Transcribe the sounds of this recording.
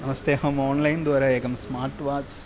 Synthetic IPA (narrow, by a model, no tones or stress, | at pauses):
nɐmɐsd̪eːɦɐmoːnlɐɪnd̪ɐːɾɐeːkɐmsmaːɾʈʋaːt͡ʃ